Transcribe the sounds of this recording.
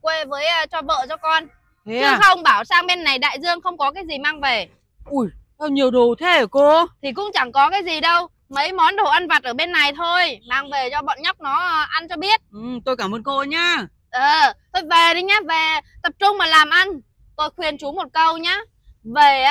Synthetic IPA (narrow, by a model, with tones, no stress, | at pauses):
kwe˧vəː˨˦jʔt͡ɕɔ˧və̰ː˧˨t͡ɕɔ˧kɔ˧n˧ | ɨ˧xə˧wŋ͡mɓaː˧˩wsaː˧ŋɓe˧nːa˨˩jɗa̰ː˧˨jzɨ˧əŋxə˧wŋ͡mkɔ˨˦kaː˨˦jzi˨˩maː˧ŋve˨˩ | ʔu˧˩jt̪ʰa˧wɲi˨˩əwɗo˨˩t̪ʰe˨˦əː˧˩ko˧t̪ʰi˨˩kʊ̰˧˥ŋ͡mt͡ɕa˧˩ŋkɔ˨˦kaː˨˦jzi˨˩ɗə˧w | mə˨˦jmɔ˨˦nɗo˧˩ʔa˧nva˨˩t̚ʔəː˧˩ɓe˧nːa˨˩jt̪ʰo˧jmaː˧ŋve˨˩t͡ɕɔ˧ɓɔ̰˧˨nɲa˦˥wk͡p̚nɔ˨˦˧ʔa˧nt͡ɕɔ˧ɓi˦˥ət̚ʔɨ˨˩t̪o˧jkaː˧˩mʔəː˧nko˧ɲaː˧ | ʔəː˨˩t̪ʰo˧jve˨˩ɗi˨˦ɲaː˨˧˥ve˨˩t̪ə˨˩p̚t͡ɕʊ˧ŋ͡mmaː˨˩laː˨˩mʔa˧n | t̪o˧jxwi˨˩ənt͡ɕu˨˦mo˨˩t̚kə˧wɲaː˨˥ | ve˨˩